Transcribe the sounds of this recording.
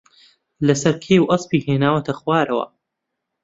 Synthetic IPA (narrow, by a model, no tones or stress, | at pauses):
lɐsɐɾkʰeːwʔɐspiːheːnaːwɐt̪ʰɐxwaːɾɐwɐ̰